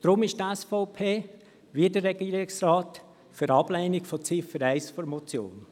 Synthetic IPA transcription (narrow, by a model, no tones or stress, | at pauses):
d̥ɾʊmɪʃtɛsfɔʊpʰeː | ʋiədərːɛɡ̥iːɾɪksrɑːt | fyɾɑb̥lɛɪnɪkfɔt͡sɪfəɾɛɪsfɔɾmɔt͡sjo̰ːn